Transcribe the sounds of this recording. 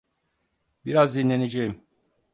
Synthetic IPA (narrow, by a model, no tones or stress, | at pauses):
biɾazd̪inlʲe̞ned͡ʒejim